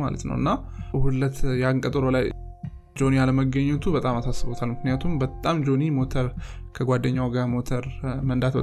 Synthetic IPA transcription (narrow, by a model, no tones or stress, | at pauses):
ma̰lə̰t̪nə̰wɨ̰nːahulːət̪jaŋkʼət̪ʼəɾolaj | d͡ʒo̞nialəməɡəɲːɛt̪ʰubət̪ʼamasasɨbo̞t̪ʰalmɨknɨjat̪ʰumbət̪ʼamd͡ʒo̞nimo̞t̪ʰəɾ | kʰəɡʷad̪ːəɲːawɡamo̞t̪ʰəɾmənd̪at̪bə